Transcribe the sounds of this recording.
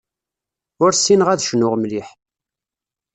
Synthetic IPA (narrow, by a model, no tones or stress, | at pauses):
ʊɾsinəʁæðʃənʊʁmliħ